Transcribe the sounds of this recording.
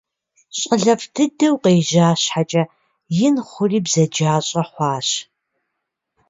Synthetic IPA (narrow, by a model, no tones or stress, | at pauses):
ɕʼəɮɐfdʰɨdɐwqeːʒaːɕħat͡ʃʼɐ | jɪnχʷʊriːbzɐd͡ʒaːɕʼɐħʷɑːɕ